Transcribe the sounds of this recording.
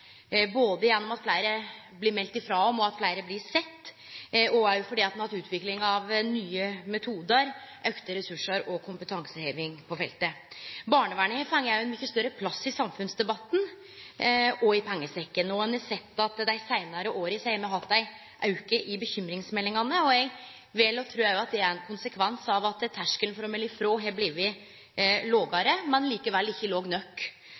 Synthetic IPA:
boːd̪əjɛnːɔmɑt̪flæɪɾə | blɪɾmɛlt̪ɪfɾɑːɔmɔɑt̪flæɪɾəblɪsɛt̪ː | ɔæɾjʊfɔɖiːɑt̪mnɑt̪ʉːt̪ʰʋɪklɪŋɑʋnyːəmɛt̪ʰuːd̪əɾʔœkt̪əɾɛsʉʂːəɾɔkʰʊmpət̪ʰɑŋsəheːʋɪŋpʰɔfɛ̰lt̪əbɑːɳəʋæːɳəhefɑŋːæɾjʊɛnmʏçːəst̪œɾːəpʰlɑsːɪsɑmfʉnsd̪ɛbɑt̪ːn̩ | ɔɪpʰɛŋːəsɛkːənɔɛnɛsɛt̪ːɑt̪d̪æɪsæɪnɑɾəʔoːɾɪsæɪmɛɦɑt̪̚d̪æɪ | ʔɑʉkəʔɪbəçʏmɾɪŋsmɛlːɪŋɑnəɔɛɡ | ʋeːlɔt̪ʰɾʉːɛjʊɑt̪̚d̪ɛæɾɛnkʰʊnsəkʰʋɛnsɑʋɑt̪t̪ʰːæʂkəlnfɾɔmɛlɪfɾoːɦeːɾblɪɾʋɪ | loːɡɑɾəmɛnliːkəʋɛlːɪçːəloːɡnœkː

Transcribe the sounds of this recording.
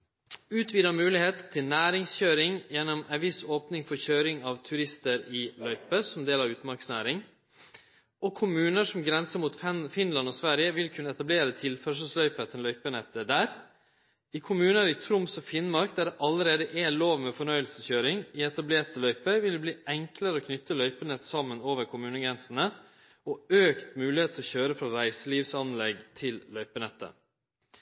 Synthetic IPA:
ʉːt̪ʰʋiːd̪əmʉːlɪheːt̪t̪ʰːɪlnæːɾɪŋsçøːɾɪŋjɛnːɔmænʋɪsoːpnɪŋfɔɾçøːɾɪŋɑʋt̪ʰʉɾɪst̪əɾɪlœʏpəsɔmd̪eːlɑʋʉːt̪mɑɾksnæ̰ːɾɪŋ | ʔɔkʰʊmʉːnəʂɔmɡɾɛnsəmuːt̪fɪnlɑnɔsʋæɾjəʋɪlkʰʉnːəɛt̪ɑbleːɾət̪ʰɪlfœʂ̬əslœʏpət̪ʰɛnlœʏpənɛt̪ʰːəd̪æːɾ | ikʰʊmʉːnəɾɪt̪ʰɾʊmsɔfɪnmɑɾkd̪æɖɛʔɑləɾeːd̪əʔɛloːʋmɛfɔɳœʏəlsəçøːɾɪŋɪɛt̪ɑbleːt̪əlœʏpəʋɪld̪ɛbliːʔɛŋkləɾəɔkʰnʏt̪ːəlœʏpənɛt̪ːsɑmːənoːʋəɾkʰʊmʉːnəɡɾɛnsən̩ə | ɔøːkt̪mʉːlɪheːt̪ʰɔçøːɾəfɾɑɾæɪsəliːʋsɑnlɛɡt̪ʰɪllœʏpənɛt̪ːə̰

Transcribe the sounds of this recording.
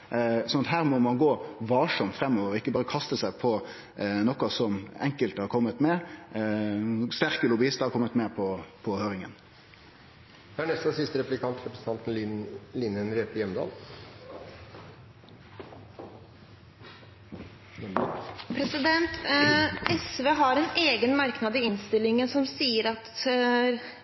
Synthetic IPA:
sɔnɑt̪hæːɾmɔmɑnɡoːʋɑːʂɔmt̪fʁɛmːɔːʋəʁɔɪkːəbɑːɾəkʰɑst̪əsæɪpʰɔ | nɔkːɑsɔmɛŋkəlt̪əhɑɾkʰɔmːət̪mɛ | st̪æʁkəlʊbɪɪst̪əhɑɾkʰɔmːət̪mɛpʰɔpʰɔhøːɾɪŋən | hæːɳɛst̪əsɪst̪əɾɛplɪkʰɑnt̪ɾɛpɾəsən̩ɑnt̪n̩lɪnənɾeːp̪əjɛmd̪ɑ̰ːl | pʰɾɛsɪd̪ɛnt̪ʔɛsʋeːɦɑɾɛneːɡənmɑɾknɑd̪ɪɪnst̪ɪlːɪŋəsɔmsiːəɾɑt̪

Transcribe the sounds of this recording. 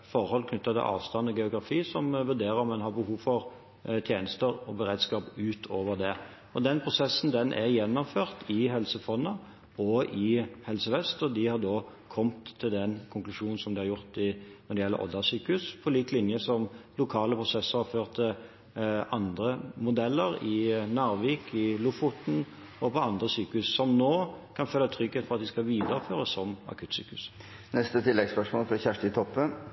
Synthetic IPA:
fɔʁhɔlːkʰnʏt̪ːɑt̪ʰɪ̰ʔɑ̰ːʋst̪ɑnɔɡɛʊɡɾɑfiːsɔmʋʉɾd̪eːɾəɾmɛnɦɑʁbəhuːʋfɔɾ | t̪ʰjeːnəst̪əɾɔbəɾeːd̪skɑːpʉːt̪ʰoːʋəʁd̪ɛ | ɔd̪ɛnpʰʁʊsɛsːn̩d̪ɛnʔɛʁjɛnːɔmføːʁt̪ʰɪɦɛlsəfɔnːɑ | ɔʔɪhɛlsəʋɛst̪ɔd̪ɪhɑʁd̪oː | kʰɔmt̪ʰːɪld̪ɛnkʰʊŋklʉʂuːnn̩sɔmd̪ɪhɑɾʁjʊɾt̪ɪnɔd̪ɪɛlːə̰ʔɔ̰d̪ɑsyːkʉspʰɔliːk̪lɪnjəsɔmlʊkʰɑːləpʰʁʊsɛsːəʁhɑføːʁt̪ʰə | ʔɑnd̪ʁəmʊd̪ɛlːəɾɪnɑʁʋiːkʰɪlʊfʊt̪n̩ | ɔpʰɔɑnd̪ʁəsyːkəʉssɔmnoːkʰɑnfølːɑt̪ʰɾʏɡheːt̪fɔʁɑt̪̚d̪ɪskɑʋiːd̪əɾəføːɾəsɔmɑ̰kʰʉt̪sy̰ːkʉs | nɛst̪ət̪ʰɪlːɛɡspœʂmoːlfɾɑçæʂʈɪt̪ʰɔpːən

